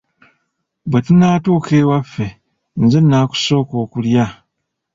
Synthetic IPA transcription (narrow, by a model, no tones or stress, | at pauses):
bwetinaːtukʰeːwafːe̞ | nzenːaːku̥so̞ːko̞ːkulja